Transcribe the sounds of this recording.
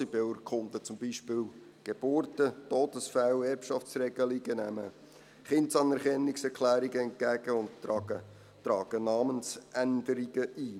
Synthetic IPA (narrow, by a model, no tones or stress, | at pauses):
ibɪlɾkχʊnd̪ət͡sʊmbiʃpɪːw | ɡ̥eb̥ʊɾtətoːdəsfæwɛɾpʃɑft͡srɛɡ̥əliɡ̥ənæmə | χɪntsɑnɛɾχɛnːɪksɛɾkʰlæːɾiɡəɛnt̚kæɡ̥əʊndə | tɾɑːɡ̥ənɑːmənsʔænd̪əɾiɡ̥əʔi